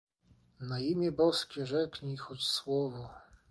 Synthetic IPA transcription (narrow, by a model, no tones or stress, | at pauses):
naimʲjɛbɔskʲɛʐɛkɲixɔt͡ɕswɔvɔ